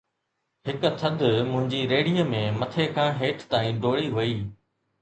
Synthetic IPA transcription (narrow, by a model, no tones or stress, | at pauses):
ɦɪkt̪ʰɐd̪ʱʊmʊ̃ɦɪ̃ɲd͡ʑiɾeːɽijəmẽmɐt̪ʰekʰãːɦeːʈʰt̪aːĩːɖoːɭiɦuiː